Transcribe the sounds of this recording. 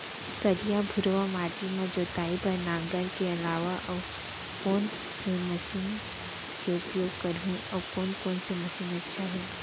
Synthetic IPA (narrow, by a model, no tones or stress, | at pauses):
kɐɾijabʱʊɾʋamaːʈ̪imẽd͡ʒoːt̪aːipɐɾnãːŋɡəɾkeɐlaːʋaʔɔː | kɔːn | semɐʃiːn | keʊpjoːɡkɐɾɦũ | ɔːkɔːnkɔːnsemɐʃiːnɐtːʃʰaɦɛː